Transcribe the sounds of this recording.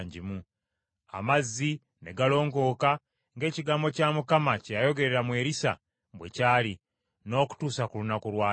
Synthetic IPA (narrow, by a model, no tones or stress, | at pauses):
ɲɟimu | a̰mazːi | ne̞ɡalo̞ːŋɡo̞ːka | ŋɡe̞ːciɡaːmbo̞caːmukamacejajo̞ɡe̞ɾe̞ɾamwe̞ːɾisa̰ | mbwe̞̰caːli | no̞ːku̥tuːsakulunakolwaː